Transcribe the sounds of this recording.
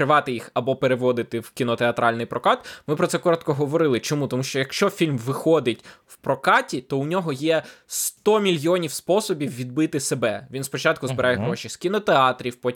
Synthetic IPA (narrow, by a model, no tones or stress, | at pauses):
ɾɪʋɑt̪ɪjixɐbɔpeɾeʋɔd̪ɪt̪ɪwkʲinɔt̪eɐt̪ɾʔɑlʲnɪjpɾʔɔkɑt̪mɪpɾɔt̪sɛkɔɾɔt̪kɔɦɔʋɔɾɪlˠɪt͡ʃɔmut̪ɔmuʃt͡ʃɔjɐkʃt͡ʃɔfʲilʲmʋɪxɔd̪ɪtʲwpɾɔkɑtʲit̪ɔʊnʲɔɦɔjɛst̪ɔmʲilʲjɔnʲiwspɔsɔbʲiwːʲid̪̚bɪt̪ɪsebɛʋʲinspɔt͡ʃɑt̪̚kʊzbɪɾɑjɛɦɾɔʃʲiskʲinɔt̪eɑt̪ɾʲiwpɔ